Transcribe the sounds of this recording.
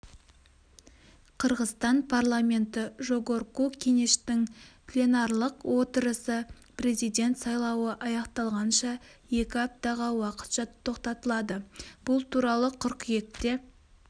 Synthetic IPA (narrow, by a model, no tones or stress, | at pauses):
qʰəɾʁəst̪ɑnpʰarlˠamʲe̞nt̪ɪʒo̞ɡo̞ɾkukʲʰe̞ŋe̞ʃt̪ɪŋplʲenɑɾlˠəqwʔo̞t̪əɾəsə | pɾe̞zijd̪ʲe̞nt̪sɑjlˠɑwəʔɑjɑqt̪ɑlˠʁɑnʃɑje̞kʲɪɑp̚t̪ɑʁɑwɑqə̥t̪ʃɑt̪ʰo̞qt̪ɑt̪əlˠɑd̪əb̥ʊlˠt̪ʰuɾɑlˠəqʰʏɾqje̞tt̪ːe̞